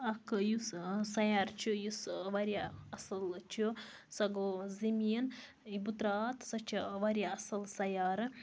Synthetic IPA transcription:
ɐkɨjussɐjaːɾt͡ʃʰujusʋɐɾʲaɐsɨlt͡ʃu | sɐɡoːzemʲiːn | ibut̪ɾaːt̪sɐt͡ʃɐʋɐɾʲjaɐsɨlsɐjaːɾɨ

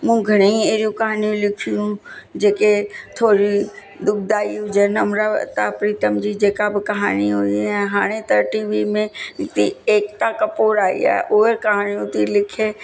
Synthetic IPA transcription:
mũːɡʱəɽ̃eĩeːɾijũkɐɦaːnijũlɪkʰiũd͡ʒeːket̪ʰoːɾi | d̪ʊk̚d̪aːiʊd͡ʒənəmɾat̪apɾiːt̪əmd͡ʒid͡ʒeːkabɪkɐɦa̰ːniɦoiɛ̃ɦaːɽ̃et̪əɾʈiːʋimẽt̪ieːkt̪akəpoːɾaːḭɛ̰ʔoːeɾkɐɦaːnijũt̪ilɪkʰeː

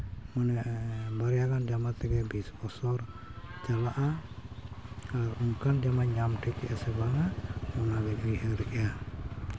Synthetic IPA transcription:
mɔnɛʔbaɾjaɡand͡ʒamat̪ɛɡɛbisbɔsɔɾ | t͡ʃalaʔa | aɾuŋkand͡ʒamaɲamʈʰɛkɛʔasɛbaŋamɔnaɡɛʔujɦəɾɛʔa

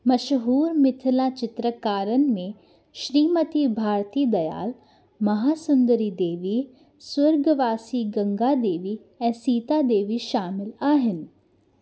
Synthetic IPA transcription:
mɐʃɦuːɾmɪt̪ʰɪlat͡ʃɪt̪ɾəkaːɾənɪ̆mẽ | ʃɾiːmɐt̪ibʱaːɾt̪id̪ɐja̰ːl | mɐɦaːsʊnd̪əɾid̪eːʋi | swɐɾɡʋaːsiɡɐ̃ŋɡad̪eːʋi | ɛ̃ːsiːt̪ad̪eːʋiʃaːmɪlaːɦɪnɪ̆

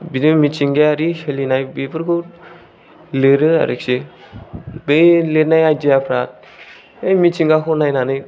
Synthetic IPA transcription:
binɯmit͡ʃiŋɡeaɾiselinajbepʰɯɾkʰu | leɾɯa̰ɾiksi | bejleɾnajajd͡ʒiapʰɾat̪̚ | ejmit͡ʃiŋɡakʰonajnanɯj

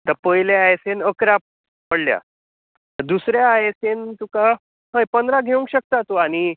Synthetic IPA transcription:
t̪əɾpəjleajesenəkɾap̚ | pəɽlja̰ | t̪əɾd̪usɾjaːjesent̪uka | ɦəjpənd̪ɾaɡʱeũŋkɕək̚t̪at̪oañi

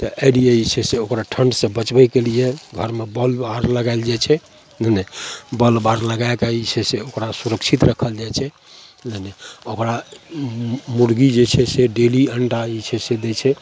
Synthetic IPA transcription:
t̪ɔʔəlijeisʰɛseokɾaʈʰəɳɖsẽbət͡ʃbɛkelieɡʱəɾmebəlbaɾləɡaeld͡ʒajt͡ʃʰɛ | nənɛbəlbaɾləɡakaisʰeseokɾasuɾəksʰit̪ɾəkʰəld͡ʒajt͡ʃʰɛ | nənɛokɾa | muɾɡid͡ʒet͡ʃʰɛseɖeliəɳʈait͡ʃʰɛsed̪ɛt͡ʃʰɛ

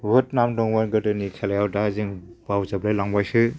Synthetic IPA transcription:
bɯt̚namdɔŋmanɡɯdɯnikʰelajawdaziŋbawzablajlaŋbajsɯ

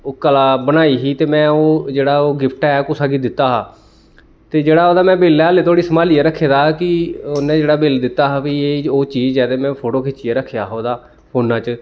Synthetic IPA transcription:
oːkəlaːbənaːiːɦiːt̪eːmɛ̃ːoːd͡ʒeːɽaːoːɡɪpʰʈaɛːkʊsaːɡiːd̪ɪt̪ːaːɦaː | t̪eːd͡ʒeːɽaːoːd̪aːmɛ̃ːbeːlaːleːt̪ʰoːɽiːsəmaːliːeːɾəkʰːeːd̪aːkɪonẽːd͡ʒeːɽaːbɪld̪ɪt̪ːaːɦaːbiːeːoːt͡ʃiːd͡ʒd͡ʒɛːd̪eːmɛ̃ːpʰoːʈoːkʰɪt͡ʃːijeːɾəkʰːjaːɦoːd̪aː | hoːnãːt͡ʃ

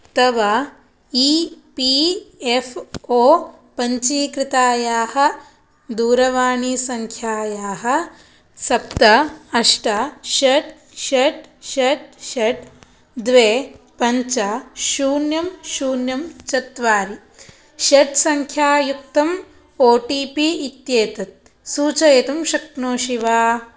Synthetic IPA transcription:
t̪ɐʋɐ | iːpiefʰoː | pɐɲt͡ʃiːkɾɪt̪aːjaːhɐ̆ | d̪uːɾɐʋaːɳisɐŋkʰjaːjaːɦɐ̆ | sɐp̚t̪ɐɐʂʈɐʃɐʈ | ʃɐʈʃeʈ̚ʃɐʈ | d̪ʋeː | pɐɲt͡ʃɐʃuːnjɐmʃuːnjɐmt͡ʃɐt̪ʋaːɾi | ʃeʈsɐŋkʰjaːjuk̚t̪ɐm | oːʈiːpiit̪jeːt̪ɐt̪̚ | suːt͡ʃɐet̪ɐmʃɐknoːʃiʋaː

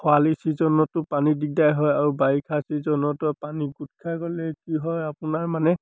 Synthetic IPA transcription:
xʊalisizɔnɔtʊpanidiɡ̚dajɦɔjaɹubaɹikʰasizɔnɔtɔpaniɡutkʰakɔlɛkiɦɔjapʊnaɹmanɛ

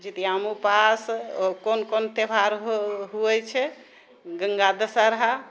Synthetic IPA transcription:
d͡ʒit̪ijamupaskonkont̪ebʱaɾɦuɛt͡ʃʰɛ | ɡəŋɡad̪əsaɾəɦa

